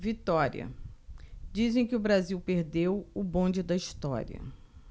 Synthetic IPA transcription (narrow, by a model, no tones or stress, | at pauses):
vit̪ɔɾḭɐ̰ | d͡ʒizẽj̃kɪʊbɾaziwpeɾd̪ewʊbõd͡ʒɪd̪ɐiʃt̪ɔ̰ɾḭɐ̰